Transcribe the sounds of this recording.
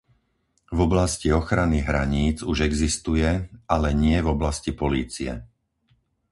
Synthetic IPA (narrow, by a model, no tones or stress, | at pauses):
vɔblasciɔxɾaniɣɦɾa̰ɲiːd͡zuʒɛɡzist̪ujɛalɛɲɪɛvɔblascipɔliːt͡siɛ̰